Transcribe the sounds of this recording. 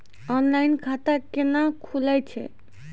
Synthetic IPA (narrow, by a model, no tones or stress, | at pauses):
ɔnlajnkʰat̪akenakʰulɛt͡ʃʰɛ̰